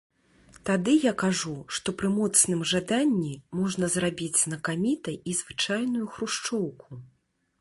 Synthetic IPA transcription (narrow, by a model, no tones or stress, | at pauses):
t̪ad̪ɨjakaʐuʂt̪ɔpɾɨmɔt̪snɨmʐad̪anʲːimɔʐnɐzrabʲid͡zʲznɐkamʲit̪ɐjizvɨt͡ʂajn̪ujuxɾuʂt͡ʂɔwku